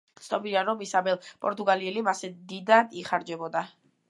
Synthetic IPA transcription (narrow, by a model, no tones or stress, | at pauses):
t̪sʰnɔbiɾaɾɔmisabɛlˠpʼɔɾt̪ʼuɡaliɛlimasɛd̪id̪ad̪iχaɾd͡ʒɛbɔd̪a